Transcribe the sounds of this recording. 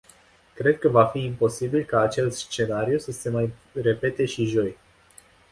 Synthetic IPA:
kɾe̞d̪̚kəvafiːmpo̞sibilkaːt͡ʃe̞st̪st͡ʃe̞naɾiusəsemaj | re̞pe̞t̪e̞ʃiʒo̞j

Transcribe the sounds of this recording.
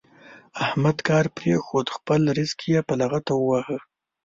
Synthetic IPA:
ahmad̪kɑɾpɾexod̪xpəlɾizkʰijepalaɣat̪awwahə

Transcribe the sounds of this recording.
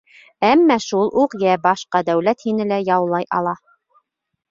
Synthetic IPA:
æmːæʃulˠʔuqjæbɑʃqɑd̪æwlæt̪hinɘlæjɑwlˠɑjʔɑ̰lˠɑ

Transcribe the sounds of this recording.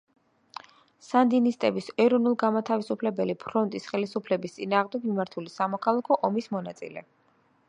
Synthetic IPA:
sand̪inist̪ʼɛbisɛɾɔnulˠɡamat̪ʰavisupʰlɛbɛlipʰɾɔnt̪ʼisχɛlisupʰlɛbist̪sʼinaːʁmd̪ɛɡmimaɾt̪ʰulisamɔkʰalˠakʰɔʔɔmismɔnat̪sʼḭlɛ̰

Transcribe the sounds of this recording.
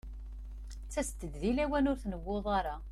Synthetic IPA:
t͡sːæst̪ːəd̪ðilæwænʊɾθnəwːoðˤɑɾˤɑ

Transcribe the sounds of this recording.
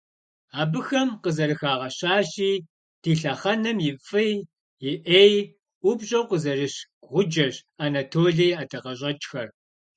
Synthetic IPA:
aːbɨxɐmqəzɐrɨxaːʁɐɕaːɕiː | tʰiːɬɐχɐnɐmjɪfʼɨj | jɪʔeːj | ʔʷʊbɕʼɐqʷəzɐrɨɕ | ʁʷʊd͡ʒɐɕaːnatʰoːɮiːjaːtʰɐqɐɕ̬ʼɐt͡ʃʼxɐr

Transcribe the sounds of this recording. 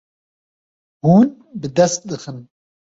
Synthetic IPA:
huːn | bɨd̪ɛst̪̚d̪ɨxɨn

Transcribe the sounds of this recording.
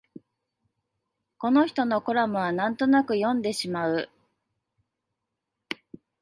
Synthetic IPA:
ko̞no̞çi̥t̪o̞no̞ko̞ɾamɯ̟βanãnt̪o̞nakɯ̟jõ̞nd̪e̞ɕimaɯ̟

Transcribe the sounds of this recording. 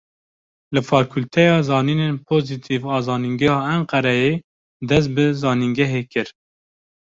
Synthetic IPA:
lɨfɑːkʰult̪ʰɛjɑːzɑːniːneːnpʰoːzit̪ʰivɑːzɑːniŋɡɛhɑːæɴqɛɾɛjeː | d̪ɛs̬t̪̚bɨzɑːniŋɡɛɦeːkɨɾ

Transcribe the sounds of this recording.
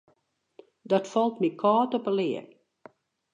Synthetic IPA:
dɔtfɔlˠtmikʰɔːtɔpəlɪːər

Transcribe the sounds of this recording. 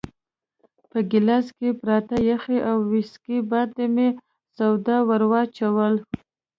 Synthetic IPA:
pəɡɪlɑskepɾɑt̪ajaxeʔawːɪskibɑd̪d̪eme | sawd̪awaɾwɑt͡ʃawəl

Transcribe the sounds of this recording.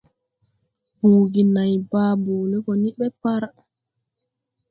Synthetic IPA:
buːɡinajbaːbuːlɛkɔniɓɛpaɾa

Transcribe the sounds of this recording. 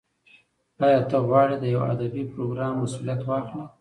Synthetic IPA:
ɑjɑt̪əɣwɑɽed̪əjawa̰d̪abipɾoɡɾɑmːasulijat̪wɑxli

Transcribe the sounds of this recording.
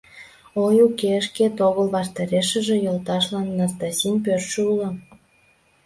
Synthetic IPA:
ojukeəʃket̪oɣəlβɑʃt̪ɑɾeʃə̆ʒĕjolt̪ɑʃlɑnːɑst̪ɑsʲinʲpørʃəulə̆

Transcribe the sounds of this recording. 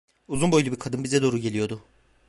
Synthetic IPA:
uzunbo̞jlʲˠubiɾkʰad̪ɯnbizɛd̪oːɾuɟe̞lʲijo̞d̪ʊ

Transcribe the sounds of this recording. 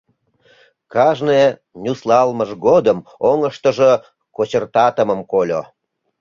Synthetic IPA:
kɑʒne | nʲuslɑlməʒɡod̪əmoŋəʃt̪əʒə | kot͡ɕərt̪ɑt̪əməmkolʲo̰

